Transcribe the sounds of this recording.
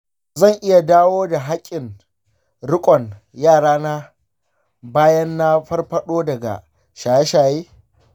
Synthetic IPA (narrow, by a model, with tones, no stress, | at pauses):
zɐ˦˨ŋʔɪ˦ja˨daː˦woː˦da˨ɦa˦kʲʼːɪ˨ŋ | ɽʊ˦kʷʼɔ˨ŋ | jaː˦˨ɽaː˦naː˦ | baː˦jɐ˦nːa˦ɸɐ˦rɸɐ˦ɗoː˦dɐ˨ɡa̰˨ | ʃaː˨jɛ˦ʃaː˨jeː˦